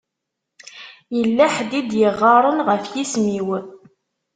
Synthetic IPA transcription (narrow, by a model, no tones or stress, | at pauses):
jəlːæħd̪id̪jəʁːɑɾˤənʁəfjismiw